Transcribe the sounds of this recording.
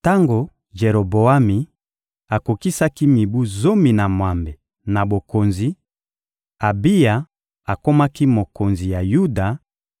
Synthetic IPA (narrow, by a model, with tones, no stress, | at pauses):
ta˦ŋɡo˨ | ʒe˨ɾo˨bo˨a˦mi˨ | a˨ko˨ki˦sa˦ki˦mi˨bu˦zo˦mi˨na˨mwa˨mbe˨ | na˨bo˨ko˨nzi˨ | a˨bi˦ja˨ | a˨ko˦ma˦ki˦mo˨ko˨nzi˨ja˨ju˦da˨